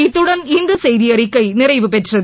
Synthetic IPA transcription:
it̪ːuɽɐnind̪ɨsɐjðijɐrikːɐjnirɐjʋɨpetrɐð

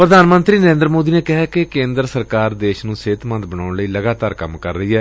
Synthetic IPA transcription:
pɾəd̪aːnmə̃nt̪ɾiːnəɾẽːnd̪əɾmoːd̪iːneːkɪɦɛːkɪkẽːnd̪ɾsəɾkaːɾd̪eːʃnũːseːt̪mə̃nd̪bənaːʊɳləiːləɡaːt̪aːɾkə̰mkə̰ɾːəiːɛː

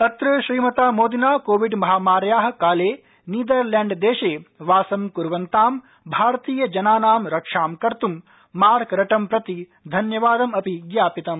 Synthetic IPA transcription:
ɐt̪ɾɨʃɾiːmɐt̪aːmoːd̪inaːkoːʋiɖmɐɦaːmaːɾjaːɦɐ̆kaːleː | niːd̪ɐɾlaːɳɖd̪eːʃeːʋaːsɐmkuɾʋɐnt̪aːm | bʱaːɾt̪iːjɐd͡ʒɐnaːnaːmɾɐkʂaːmkɐɾt̪umː | aːɾkɾɐʈɐmpɾɐt̪i | d̪ʱɐnjɐʋaːd̪ɐmɐpiɡjaːpit̪ɐm

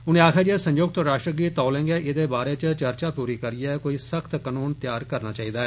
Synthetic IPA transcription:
ʊnẽːaːkʰjaːd͡ʒiɛːsə̃ɲd͡ʒoːɡ̚t̪oɾaːʃʈɾəɡiːt̪ːɔːlẽːŋɡɛːʔɪd̪eːbaːɾeːt͡ʃt͡ʃəɾt͡ʃaːpuːɾiːkəɾijɛːkoːiːsəkʰt̪kənuːnt̪jaːɾkəɾnaːt͡ʃaːiːd̪aːɛː

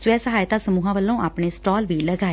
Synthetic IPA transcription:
sʋɛːsəɦaːjt̪aːsəmuːɦãːʋəlːõːʔaːpɳeːsʈɔːlʋiːləɡaːe

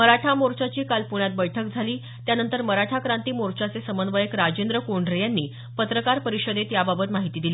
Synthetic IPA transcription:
məɾaʈʰamoɾt͡ɕat͡ɕiːkalpuɳ̃jat̪̚bəjʈʰək̚d͡zʱaliː | t̪janənt̪əɾməɾaʈʰakɾant̪iːmoɾt͡ɕat͡sesəmənʋəjəkɾad͡ʑend̪ɾəkoɳɖɾejanːiː | pət̪ɾəkaɾpəɾiʂəd̪et̪jababət̪maɦit̪iːd̪ili

